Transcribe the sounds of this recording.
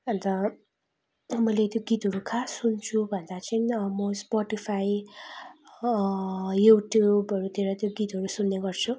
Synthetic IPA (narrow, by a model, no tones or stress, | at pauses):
ʌnt̪ʌ | mʌjlet̪joɡit̪ɦʌɾukʰasunt͡sʰubʱʌnd̪at͡saĩmospɔʈipʰaj | juʈjubʌɾut̪ʰeɾʌt̪joɡit̪ʌɾusunːeɡʌrt͡sʰu